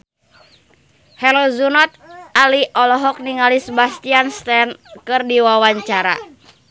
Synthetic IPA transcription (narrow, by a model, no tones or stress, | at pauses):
hɛlɔzunɔt̪̚aliʔɔlɔɦɔk̚niŋalisbast̪ianst̪ɛnkɨrdiwawaɲt͡ʃaɾa̰